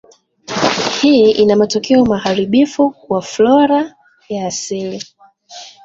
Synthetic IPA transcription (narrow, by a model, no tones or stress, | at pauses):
hiːʔinamatɔkɛɔmahaɾiɓifukwaflɔɾa | jaːsili